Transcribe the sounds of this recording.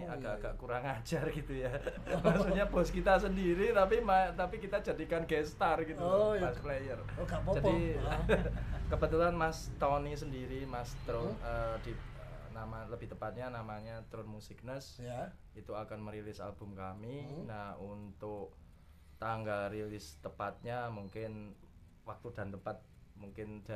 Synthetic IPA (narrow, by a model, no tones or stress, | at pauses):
aɡ̥aʔɡ̥aʔkuɾaŋḁd͡ʒ̥arɡit̪uja | maʔsuʔɲab̥ɔ̤skit̪as̬əndiɾit̪apimat̪apikit̪ad͡ʒadikanɡɛst̪arɡit̪umasplejərɡad͡ʒadi | kəbət̪ulanmast̪ɔnisəndiɾimast̪ɾʊnəd̥iənamaləb̥ɪ̤ht̪əpat̪̚ɲanamaɲat̪ɾʊnmusik̚nəs | it̪uakanməɾilɪsa̰lb̥ʊ̤mkaminahunt̪ʊk | t̪aŋɡalrilɪst̪əpat̪̚ɲamuŋkɪn | wak̚t̪ud̥a̤nt̪əmpat̪̚muŋkɪnd̥a